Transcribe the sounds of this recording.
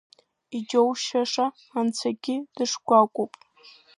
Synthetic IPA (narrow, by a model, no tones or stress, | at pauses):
id͡ʒowʃaʂaː | nt͡sʷʰaɡʲɪd̥ɨʂɡʷakʷʼopʼ